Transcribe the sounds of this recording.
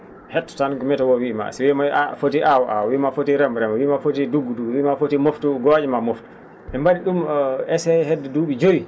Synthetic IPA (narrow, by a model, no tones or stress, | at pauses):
hɛtːɔ̥tankɔmɛtɔwɔwima̰siwimaafotiʔawɔʔa̰wɔwimafotiɾɛmɾɛmɔwimafotiduɡːuduwiːmafotimoftuɡɔd͡ʒɛmamoftu̥ | ɛmbaniɗumɛsɛɦɛdːɛduːɓid͡ʒowi